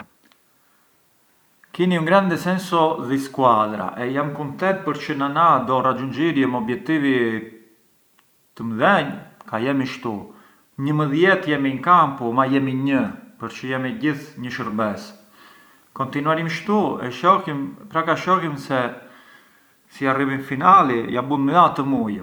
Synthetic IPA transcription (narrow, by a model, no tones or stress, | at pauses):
kiniuŋɡɾɛnd̪ɛsɛnsɔðiskwad̪ɾa̰ʔɛjamkunt̪ɛnt̪̚pəɾt͡ʃənanad̪ɔrad͡ʒund͡ʒiɾjɛmɔbjɛk̚t̪ivi | t̪əmðɛɲkajɛmiʃt̪u | ɲəməðjɛt̪jɛmiɲkampumajɛmiɲəpəɾt͡ʃəjɛmiɟiθɲəʃəɾbɛs | kɔnt̪inuaɾimʃt̪uɛ̰ʃɔhimpɾakaʃɔhimsɛ | siarivinfinalijabunməðat̪əmuj